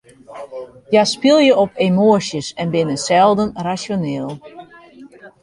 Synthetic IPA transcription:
jaspɪlˠjəɔpʰemoəsjəsɛnbɪnəsɛlˠdənrasjonɪːlˠ

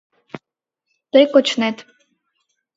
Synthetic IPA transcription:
t̪əjkot͡ɕnet̪

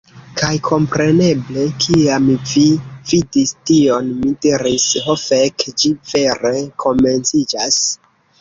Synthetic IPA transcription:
kajkʰo̞mpɾe̞ne̞ble̞kʰiamvividistio̞nmidiɾisɦofekd͡ʒive̞ɾe̞kʰo̞me̞nt͡sid͡ʒas

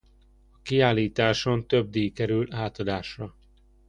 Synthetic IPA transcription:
ɒkiaːliːt̪aːʃo̞nt̪øb̚d̪eːjkɛɾylaːt̪ɒd̪aːʃrɒ

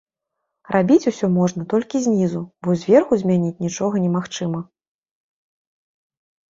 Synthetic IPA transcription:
rabʲit͡sʲusʲɔmɔʐnɐt̪ɔlʲkʲizʲnʲizubɔzʲvʲɛrxuzʲmʲanʲit͡sʲnʲit͡ʂɔɣɐnʲɛmaxt͡ʂɨmɐ

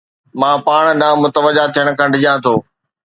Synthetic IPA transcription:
mãːpaːɽ̃ɗãːmʊt̪əʋəd͡ʑat̪ʰijəɽ̃kʰãːɖʱɪʄãːt̪ʰoː

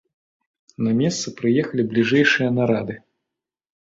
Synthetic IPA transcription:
nɐmʲɛst̪sɐpɾɨjɛxɐlʲiblʲiʐɛjʂɨjɐnaɾad̪ɨ

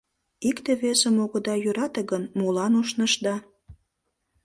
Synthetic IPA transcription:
ikt̪eβesəmoɣəd̪ɑjøɾɑt̪əɣənmolɑnoʃnəʃd̪ɑ

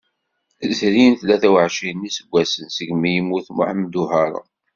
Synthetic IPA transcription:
zɾinθlæθæwəʕʃinːisəɡʷːæsənsəɡmːijəmːuθmʊ̰ħəmːd̪uɦɑɾˤɑ̰

